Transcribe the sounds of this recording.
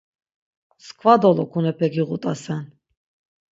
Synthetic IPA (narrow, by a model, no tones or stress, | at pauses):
skʰʼvad̪ɔlɔkʰunɛpʰɛɡiʁut̪ʼasɛn